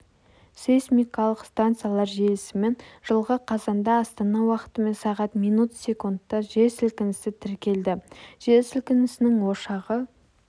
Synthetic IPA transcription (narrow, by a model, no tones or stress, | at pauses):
sesmʲikɑlˠəqst̪ant̪sɨjalˠɑɾʒelɪsɪme̞nʒ̥əlˠʁəqʰɑzɑnd̪ɑːst̪ɑnɑwɑqə̥t̪əme̞nsɑʁɑt̪mijnut̪sʲe̞kund̪ːɑʒe̞sɪlkʲɪnɪsɪt̪ʰɪɾkʲe̞ld̪ɪʒ̥e̞sɪlkʲɪnɪsɪnɪŋwo̞ʃɑʁə